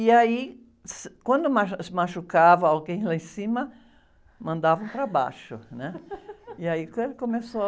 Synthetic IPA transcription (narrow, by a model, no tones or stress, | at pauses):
iai | skwɐ̃nd̪ʊmasmaʃukavɐ̃awɡẽj̃laẽsĩmɐ | mɐ̃nd̪avɐ̃w̃pɾaba̰ʃʊnɛiaikɐ̃elɪkomeso